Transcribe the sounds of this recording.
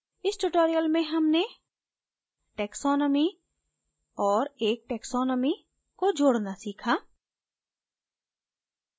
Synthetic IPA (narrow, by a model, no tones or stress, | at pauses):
ɪsʈuʈoːɾijəlmẽɦɐmne | ʈɛːksɔːnɔmi | ɔːɾeːk̚ʈɛːksɔːnɔmi | kod͡ʒoːɽnasiːkʰaː